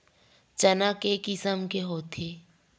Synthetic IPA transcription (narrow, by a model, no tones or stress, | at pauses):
t͡ʃənakekɪsəmkeɦoːt̪ʰeː